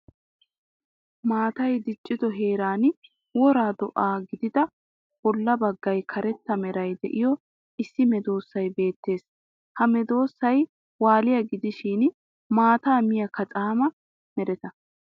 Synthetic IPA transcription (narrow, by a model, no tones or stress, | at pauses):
maːt̪ɐjd̪ɪt͡ʃʼːɪd̪ɔɦeːɾaːn | wɔɾaːd̪ɔʔaːɡɪd̪ɪd̪ɐ | b̥ɔlːɐbɐɡːɐjkʰɐɾɛt̪ːɐmɛɾɐjd̪ɛ̰ʔɪjɔ | ʔɪsːɪmɛd̪o̞ːsːɐjbe̞ːt̪ːe̞ːs | hɐmɛd̪o̞ːsːɐj | waːlɪjɐɡɪd̪ɪʃiːn | maːt̪aːmɪjɐkɐt͡sʼaːmɐ | mɛɾɛt̪ɐ